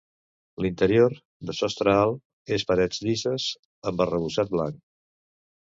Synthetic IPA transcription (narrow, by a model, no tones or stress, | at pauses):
lint̪əɾioɾ | d̪əsɔst̪ɾəalˠ | espəɾɛd͡zd̪izəz | əmbərəβ̞usat̪̚bla̰ŋk